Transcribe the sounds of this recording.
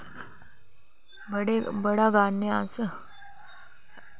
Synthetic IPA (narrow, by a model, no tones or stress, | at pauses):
bəɽebəɽaɡaːnːeasə